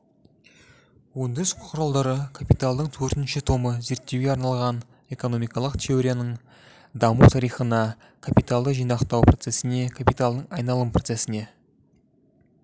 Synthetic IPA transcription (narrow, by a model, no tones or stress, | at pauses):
wond̪ɪzqʰʊɾɑlˠd̪ɑɾəkʰapijt̪alˠd̪əɴt̪ʰɵɾt̪ɪnʃɪt̪ʰo̞məze̞ɾt̪ːe̞wɡʲeɑɾnɑlˠʁɑn | e̞ko̞no̞mijkɑlˠəqt̪ʰe̞o̞ɾʲijanəɴ | d̪ɑmuwt̪ʰɑɾijχənɑ | kʰapijt̪alˠd̪əʒijnɑqt̪ɑwpʰɾo̞t̪se̞sɪne̞kʰapijt̪alˠd̪əɴɑjnɑlˠəmpʰro̞t̪se̞sɪne̞